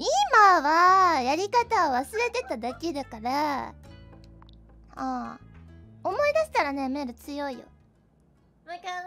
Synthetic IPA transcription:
imaβajaɾʲikat̪aoβasɨɾe̞t̪e̞t̪ad̪akʲid̪ɯkaɾa | aː | omo̞id̪aɕi̥t̪aɾane̞me̞ːɾɯ̟t͡sɨjo̞ijo̰

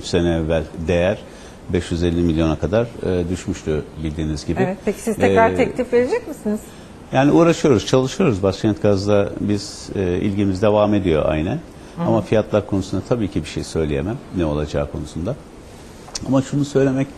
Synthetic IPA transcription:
yt͡ʃsenɛːvːælʲd̪e̞jæɾ̥ | bɛʃjyze̞lʲːimilʲjo̞nakʰad̪aɾɯːd̪yʃmyʃt̪ʰubilʲd̪iːnizɟibɪɛpʰeci̥sizt̪ʰɛɾaɾʰɛclʲifveɾed͡ʒɛcmisiniz̥ | jaːniuːɾaʃɯjo̞ɾuz̥t͡ʃʰalˠɯʃɯjo̞ɾuzbaʃcʰænt̪ɡazd̪abiz̥ːḭlʲɟimizd̪e̞vaːme̞d̪ijo̞̰ʔa̰jnæn | amafijat̪lˠaɾkʰo̞nusund̪at̪ʰabiːcʰibiʃḛjsø̞jlʲejemæmnɛo̞lˠad͡ʒaːkʰo̞̰nusund̪a | amaʃunusø̞jlʲe̞mɛc

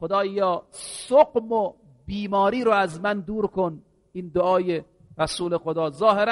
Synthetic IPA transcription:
xod̪ɒːjjɒːssoqmo | biːmɒːɾiːɾoæzmænd̪uːɾkon | iːnd̪oʔɒːje | ɾæsuːlexod̪ɒːzɒːheɾa

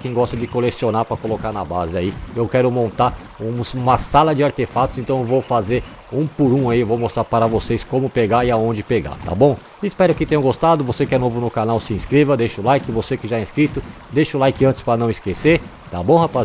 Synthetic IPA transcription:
kẽj̃ɡɔst̪ɐd͡ʒɪkolesionaɾpɾɐkolokaɾnɐbazɪaiewkɛɾʊmõnt̪aɾ | ũsmɐsalɐd͡ʒɪaɾt̪efat̪ʊzẽnt̪ɐ̃w̃ewvowfazeɾ | ũpʊɾũaiewvowmost̪ɾaɾpaɾɐvosejskõmʊpeɡaɾɪaõnd͡ʒɪpeɡa̰ɾt̪a̰bõw̃ | ɪispɛɾʊkɪt̪ẽjɐ̃ɡost̪ad̪ʊvosekɪɛnovʊnʊkanawsɪĩskɾevɐd̪ejʃʊlajkɪvosekɪʒaɛ̃skɾit̪ʊ | d̪ejʃʊlajkɪɐ̃nt͡ʃɪ̥spɾɐnɐ̃w̃ɪskeseɾ | t̪abõw̃hapa

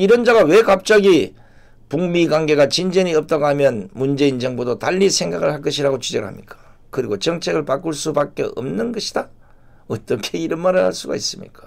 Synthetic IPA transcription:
iɾʌnd͡ʑaɡawe̞kap̚t͡ɕ͈aɡi | puŋmiɡwaŋɡe̞ɡat͡ɕind͡ʑʌɲiʌp̚t͈ʌɡamjʌnmund͡ʑe̞ind͡ʑʌŋbodotaʎːisʰe̞ŋɡaɡɯɭhaɭk͈ʌɕʰiɾaɡot͡ɕid͡ʑʌɡɯɭɦa̰mɲik͈ḁ | kɯɾiɡot͡ɕʌŋt͡ɕʰe̞ɡɯɭpak͈uɭs͈upak͈e̞̰ʔʌ̰mnɯnɡʌɕʰida | ʌt͈ʌkʰe̞iɾʌnmaɾɯɭhaɭs͈uɡa̰is͈ɯmɲḭk͈ḁ

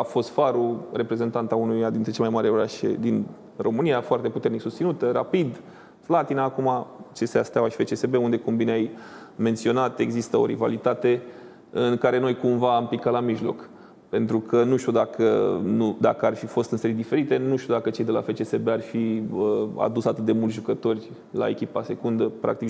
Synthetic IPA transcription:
afo̞st̪faɾure̞pɾe̞ze̞nt̪ant̪aunujad̪int̪ɾe̞t͡ʃemajmaɾeoɾaʃḛd̪in | ro̞mɨnijafoart̪e̞put̪e̞rniksust̪sinut̪əɾa̰pid̪ | flat̪inaːkumat͡ʃeseast̪awaʃi̥fe̞t͡ʃesebe̞und̪e̞kumbineajme̞nt̪sio̞nat̪e̞ɡzist̪əo̞̰ɾiva̰lit̪at̪e̞ | ɨŋkaɾe̞no̞jkumvaːmpikat̪lamiʒlo̞̰k | pe̞nt̪ɾukʰənuʃt̪ʲud̪akʰə̰nud̪a̰kəarfifo̞st̪ɨnse̞ɾijd̪ife̞ɾit̪e̞nuʃt̪ʲud̪akət͡ʃe̞jd̪e̞la̰fe̞t͡ʃesebearfiəa̰d̪usat̪ɨt̪̚d̪e̞mult̪ʒukət̪o̞rʲ | la̰e̞̰kʲipase̞kund̪əpɾa̰k̚t̪ik

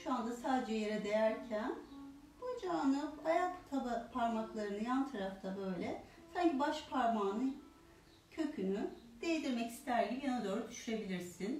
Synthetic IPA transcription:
ʃuand̪asaːd̪ed͡ʒɛje̞ɾɛd̪e̞jæɾcʰæn | bud͡ʒaːnɯajakt̪ʰabapʰaɾmaklˠaɾɯnɯjant̪ʰaɾaft̪ʰabø̞jlʲɛ | saɲcibaʃpʰaɾmaːnɯ | cʰø̞cʰynyd̪̥ejed̪iɾmɛci̥st̪ʰæɾɡʲibijanad̪o̞ːɾud̪yʃyɾe̞bilʲiɾsin

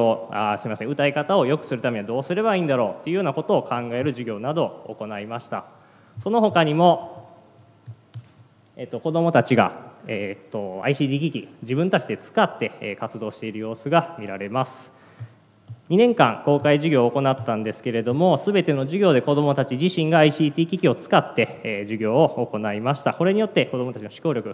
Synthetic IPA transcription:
oasɨɾimasẽ̞ɯ̟t̪aikat̪ao̞jo̞kɯ̟sɨɾɯ̟t̪ame̞ɲiad̪o̞ːsɨɾe̞baĩːnd̪aɾo̞ːt̪ːe̞iɯ̟joːnako̞t̪o̞ːkʰãŋɡae̞ɾɯ̟ʑiɡʲo̞ːnad̪o̞̰ːko̞naimaɕi̥t̪a | so̞no̞ɦo̞kaɲ̟imo̞ | eːt̪ːo̞ko̞d̪o̞mo̞t̪at͡ɕiɡa̰eːt̪ːo̞a̰iɕiːd̪iːɡʲikʲid͡ʑibɯ̟̃nt̪at͡ɕid̪et͡sɨ̥kat̪ːe̞kat͡sɨd̪o̞ːɕi̥t̪e̞iɾɯ̟jo̞ːsɨɡamʲiɾaɾe̞masɨ̥ | ɲ̟inẽ̞ŋkãŋko̞ːkaiʑɨɡʲo̞ːko̞nat̪ːãnd̪e̞sɨ̥ke̞ɾe̞d̪o̞mo̞sɨbe̞t̪e̞no̞ʑiɡʲo̞ːd̪e̞ko̞d̪o̞mo̞t̪at͡ɕiʑiɕĩŋɡaːiɕiːt̪ʲiːkʲikʲio̞t͡sɨ̥kat̪ːe̞ʑiɡʲo̞ːoːko̞naimaɕi̥t̪ako̞ɾe̞ɲ̟ijo̞t̪ːe̞ko̞d̪o̞mot̪at͡ɕino̞ɕi̥ko̞ːɾʲo̞kɯ̟

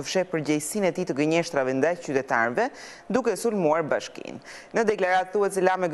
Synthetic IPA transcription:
əfʃɛpəɾɟɛjsinɛt̪it̪əɡəɲɛʃt̪ɾavɛnd̪ajt͡ɕyt̪ɛt̪a̰ɾvɛ | d̪ukɛsulmuaɾbaʃkḭnː | əd̪ɛklaɾat̪θuɦɛt̪sɛlamɛɡ

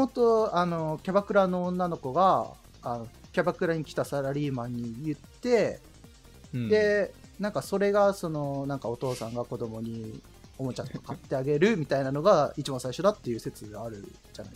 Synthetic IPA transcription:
ot̪oano̞kʲabakɯ̟ɾanõ̞ːnːano̞ko̞ɡaː | no̞kʲabakɯ̟ɾaɲ̟ikʲi̥t̪asaɾaɾʲiːmaɲ̟ːijɯ̟t̪ːe̞ | d̪e̞nãŋkaso̞ɾe̞ɡaso̞no̞nãŋkao̞t̪o̞ːsãŋɡako̞d̪o̞mo̞ɲ̟i | o̞mo̞t͡ɕãt̪ko̥kat̪ːe̞aɡe̞ɾɯ̟mʲit̪ainano̞ɡait͡ɕibãsaiɕo̞d̪at̪ːe̞jɯ̟ːse̞t͡sɨɡaɾɯ̟̰ | d͡ʑa̰na̰i

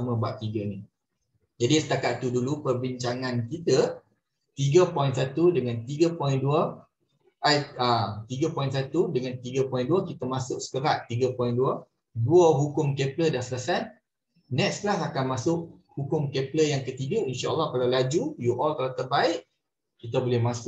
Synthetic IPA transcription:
amə̃baʔ̚t̪iɡəni | d͡ʒadisə̥t̪akaʔ̪t̪udulupərbiɲt͡ʃaŋãnkit̪ə | t̪iɡəpɔjĩnsat̪udəŋant̪iɡəpɔjinduə | ʔajət̪iɡəpɔjĩnsat̪udəŋãnt̪iɡəpɔjnduakit̪əmasʊk̚sə̥kəɾaʔt̪iɡəpɔjnduə | duəɦukʊmkeplədansəlasan | nɛksklasakanmasʊk̚hukʊmkepləjaŋkət̪iɡəinʃaʔə̰lːɑhkalawlad͡ʒujuʔɔlkalat̪ərbaɪʔ | kit̪əbolɛhmasʊ

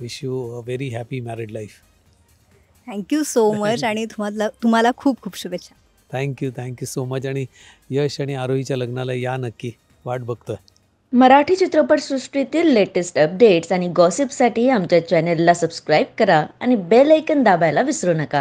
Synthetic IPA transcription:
ʋiɕjuəʋeɾiɦæpimæɾiɖlajf | t̪ʰɛ̃ŋkjusomət͡ɕaɽ̃it̪um̤alat̪um̤alakʰuːp̚kʰuːpɕuʋet͡ɕa | t̪ʰɛ̃ŋkjut̪ʰɛ̃ŋkjusomət͡ɕaɽ̃i | jəɕaɽ̃iaɾoɦit͡ɕjaləɡnalajanəkːi | ʋaʈ̚bʱəɡt̪ə | məɾaʈʰiːt͡ɕit̪ɾopəɾsɾusʈɾit̪iːlːeʈesʈəp̚ɖeʈsaɽ̃iɡɔsipsaʈiːamt͡ɕjat͡ɕɛnelːasəbskɾajb̚kəɾaa̰ñibeləjkənd̪abajlaʋisɾunəka

